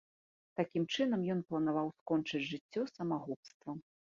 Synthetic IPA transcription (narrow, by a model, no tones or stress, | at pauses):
t̪akʲimt͡ʂɨnɐmjɔn̪plˠɐnavawskɔnt͡ʂɨd͡zʲʐɨt͡sʲːɔsɐmaɣupst̪vɐ